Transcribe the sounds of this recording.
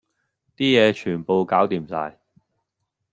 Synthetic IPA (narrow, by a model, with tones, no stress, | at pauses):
t̪iː˥jɛː˨˧t͡ʃʰyː˨˩npo˨wkaː˨˥wt̪iː˨˧msa̰ː˧j